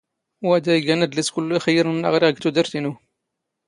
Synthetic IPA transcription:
wæd̪æjɡænæd̪liskʊlːuxəjːəɾnnəʁɾiʁəɡt̪ud̪əɾt̪inu

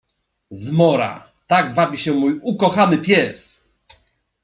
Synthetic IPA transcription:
zmɔɾa̰ | t̪aɡvabʲiɕɛmujukɔxanɘpʲjɛs

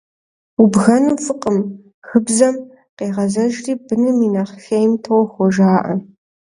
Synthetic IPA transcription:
ubɣɐnufɨqʼəm | xɨbzɐm | qeːʁɐzɐʒriːbɨnɨminaːχxejmtʰɨwxʷɔʒaːʔɐ̰

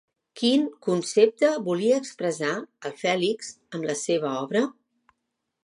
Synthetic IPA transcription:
kiŋkunsep̚t̪əβuliəːkspɾəzaəlˠfɛlikz̥ | əmləseβ̞əɔβɾə

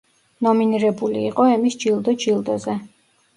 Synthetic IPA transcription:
nɔminiɾɛbulḭːqʼɔɛmisd͡ʒilˠd̪ɔd͡ʒilˠd̪ɔzɛ

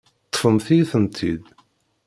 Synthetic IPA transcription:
t̪ˤːfəmθiθənt̪ʰid̪

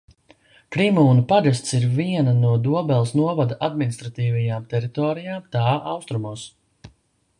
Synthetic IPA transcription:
kɾimuːnupaɡast̪siɾviɛnanuɔd̪uɔbɛlˠsnuɔvad̪aʔad̪minist̪ɾat̪iːvajaːmt̪ɛɾit̪ɔːɾijaːmt̪aːʔawst̪ɾumuːs

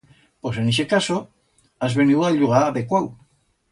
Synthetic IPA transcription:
poseniʃ̬ekaso | azβeniwaʎuɣ̞aβekwaw

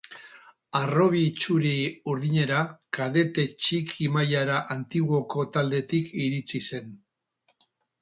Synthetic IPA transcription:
aro̞β̞it͡ʃuɾiuɾðiɲe̞ɾakaðe̞t̪e̞t͡ʃikʰimajaɾaʔant̪iɣo̞ko̞t̪ald̪e̞t̪ikiɾit͡sise̞n

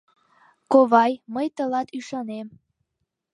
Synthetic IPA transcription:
koβɑjməjt̪əlɑt̪yʃɑnem

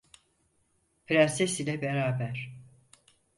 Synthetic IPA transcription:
pʰɾasesilʲɛbeɾaːbæɾ̥

